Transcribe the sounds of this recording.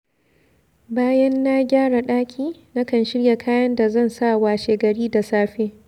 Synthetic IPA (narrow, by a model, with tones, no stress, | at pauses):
baː˦jɐ˦nːa˦ɡʲaː˦ɽa˨ɗaː˦kʲʰiː˦na˦kɐ˦˨nʃɪ˦ɽja˨kʰaː˦jɐ˦nda˨zɐ˦˨nsa˦˨waː˨ʃeː˨ɡɐ˨ɽiː˦da˨saː˦ɸeː˦